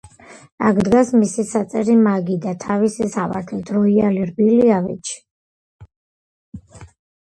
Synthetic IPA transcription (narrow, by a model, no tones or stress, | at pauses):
a̰ɡʰd̪ɡasmisisat̪sʼɛɾimaɡid̪at̪ʰavisisava̰ɾt̪ʰlit̪ʰɾɔialiɾbiliavḭt͡ʃʰ